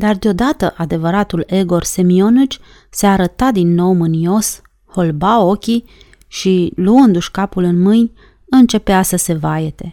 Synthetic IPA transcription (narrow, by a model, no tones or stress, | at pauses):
d̪ard̪eo̞d̪at̪əʔad̪e̞vəɾat̪ule̞ɡo̞rse̞mio̞nɨt͡ʃʲ | seaɾət̪ad̪inːo̞wmɨnio̞s | ho̞lbao̞kʲi | ʃiluɨnd̪uʃkapulɨnmɨnʲ | ɨnt͡ʃe̞peasəse̞vajet̪e̞